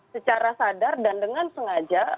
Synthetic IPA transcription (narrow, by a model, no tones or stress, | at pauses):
sət͡ʃaɾasadardandəŋansəŋad͡ʒa